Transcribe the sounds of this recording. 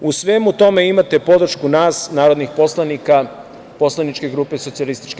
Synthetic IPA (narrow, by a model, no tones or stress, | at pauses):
usʋeːmut̪o̞me̞imat̪e̞po̞d̪ɾ̩ʃkunaːsnaːɾo̞d̪nixpo̞slˠanika | po̞slˠanit͡ʃke̞ɡɾuːpeso̞t̪sijalist̪i̥t͡ʃke